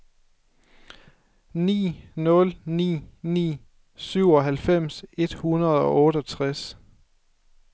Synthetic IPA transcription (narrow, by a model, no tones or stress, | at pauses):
nḭːnɔ̽lnḭːnḭː | syʊɒ̽ɦælfem̰se̝d̥hunɐð̞ˠɒ̽ɔ̽ːɾ̥əɒt͡sʰʁas